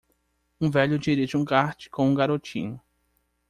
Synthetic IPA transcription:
ũvɛʎʊd͡ʒiɾiʒɪũɡaɾt͡ʃɪ̥kõũɡaɾot͡ʃḭ̃ɲʊ

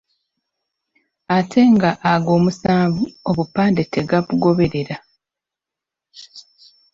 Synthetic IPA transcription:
atʰe̞ŋɡaʔːɡo̞ːmusaːvuo̞βupaːnde̞te̞ɡaβuɡo̞βe̞ɾe̞ɾa

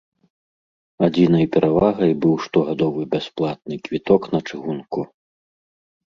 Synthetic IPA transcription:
ad͡zʲinɐjpʲɛɾʔavaɣɐjbɨwʂt̪ɔɣad̪ɔvɨbʲasplˠat̪̚nɨkvʲit̪ɔknɐt͡ʂɨɣunku

